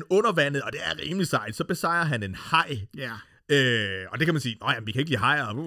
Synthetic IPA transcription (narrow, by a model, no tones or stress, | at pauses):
nɔ̽nɐʋæn̰ð̩ˠɒ̽d̥e̝æɐʁḭːmlisɑ̈ɪd̥sɒ̽b̥e̝sɑ̈ɪ̰ɐɦæne̝nhɑ̈ɪ̰ | øɒ̽d̥e̝kʰæmænsḭːnɒjæmnʋikʰæe̝ɡ̥liːɦɑ̈ɪ̰ɒ